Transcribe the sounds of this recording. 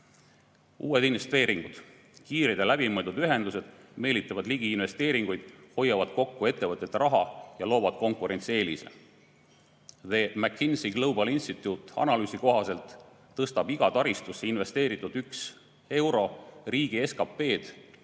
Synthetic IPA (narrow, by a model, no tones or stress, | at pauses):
ṵːe̞d̪inve̞st̪e̞ːɾiŋɡ̥ud̪̥ | kiːɾed̪̥elæb̥imɤld̪ud̪yɦe̞nd̪use̞d̪̥me̞ːlit̪ːˑɑvɑd̪liɡ̥iːnve̞st̪e̞ːɾiŋɡ̥ujd̪̥ho̞jːɑvɑd̪̥ko̞kːue̞t̪ːe̞vɤt̪ːˑe̞t̪ːˑeɾɑɦɑjɑlo̞ːvɑd̪̥ko̞ŋkuɾe̞nt̪sie̞ːlise̞̰ | ðemækːinsiɡ̥lowbɑlinst̪it̪ːˑut̪ˑːɑ̰nɑlyːsiko̞ɦɑse̞lt̪ː | ɤst̪ɑb̥iɡ̥ɑt̪ɑɾist̪usːeinve̞st̪e̞ːɾit̪ːˑud̪̥yks | e̞wɾo̞riːɡ̥ie̞skɑpːe̞ːd̪̥